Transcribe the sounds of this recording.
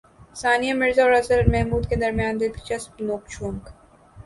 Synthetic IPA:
saːnijamɪɾzaɔːɾɐsəɾmɛɦmuːd̪ked̪ɐɾmjaːnd̪ɪt̪kt͡ʃɐspnoːk̚t͡ʃʰũːŋk

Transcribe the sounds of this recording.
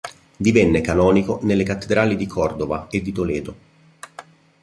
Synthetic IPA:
d̪ivɛnːekanɔːnikonelːekat̪ːed̪ɾaːlid̪ikʰɔrd̪ovaed̪ːit̪olɛːd̪o

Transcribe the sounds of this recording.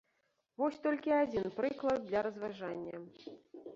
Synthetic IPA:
vɔsʲt̪ɔlʲkʲiad͡zʲinpɾɨklˠɐd̪̚ːlʲɐɾɐzvaʐanʲːɐ̰

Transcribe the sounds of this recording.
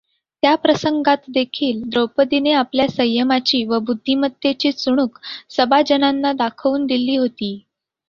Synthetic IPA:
t̪japɾəsəŋɡat̪d̪ekʰiːld̪ɾowpəd̪ineapljasəjːəmat͡ɕiːʋəbud̪ʱːimət̪ːjet͡ɕiːt͡suɽ̃uːksəbad͡ʑənanːad̪akʰəʋuːnd̪iliːɦot̪iː

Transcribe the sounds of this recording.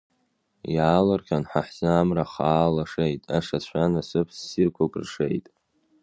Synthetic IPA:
jaːlarkʲʰanħaħzɨamraχaːlaʂejtʼaʂat͡ɕʷanasɨpʰsːirkʷʰakʼrʂejtʼ

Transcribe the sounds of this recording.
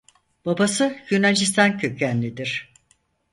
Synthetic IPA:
b̥abasɯjynad͡ʒist̪ʰankʰycʰænlʲid̪iɾ̥

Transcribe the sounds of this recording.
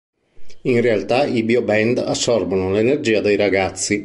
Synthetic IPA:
inrealt̪aibiobɛnd̪a̰sːɔrvonolenerd͡ʒiːad̪ejɾaɡat̪sːi

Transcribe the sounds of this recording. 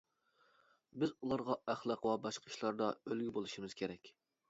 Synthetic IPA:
bɪzulˠɑɾʁɑæχlˠɑqwɑbɑʃqʰə̥ʃlˠɑɾd̪ɑølɡʲibolˠuʃimɨz̥kʲʰeɾɛkʲ

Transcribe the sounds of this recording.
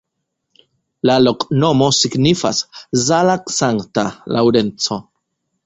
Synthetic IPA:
lalokno̞mosiɡnifa̰szalaksaŋktalʔa̰wɾent͡so

